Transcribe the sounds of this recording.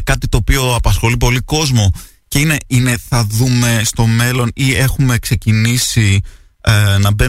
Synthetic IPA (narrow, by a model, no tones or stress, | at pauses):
kɐt̪it̪o̞ːpio̞ɐpɐsxo̞lipo̞liko̞zmo̞ | ceine̞ine̞θɐðume̞st̪o̞me̞lo̞nie̞xume̞kse̞cinisi | nɐbe